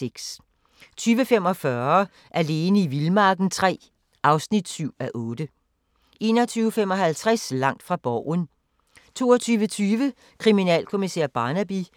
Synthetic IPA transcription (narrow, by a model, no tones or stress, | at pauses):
eɡ̥s | t͡sʰyːʋəfemɒ̽fɶɐ | ʔæɐle̝ːnəiʋilmɑ̈ːɡ̥n̩t͡sʰʁɛ̰ː | ʔɑ̈ʊsnid̥syʊ̰æʔɔːd̥ə | ʔe̝ːnɒt͡sʰyːʊfem̰ɒ̽ɦælt͡sʰʁaslɑ̈ŋ̰d̥fʁɑ̈b̥ɒʊ̰n | t͡sʰo̝ːɒt͡sʰyːʋət͡sʰyːʋə | kʰʁiminɛ̰ːlkʰo̝miseːɐ̰b̥ɑ̈ːnæb̥i